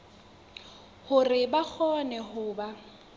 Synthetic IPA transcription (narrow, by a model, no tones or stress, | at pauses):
hʊrɪbak͡xʰɔnɛhʊːba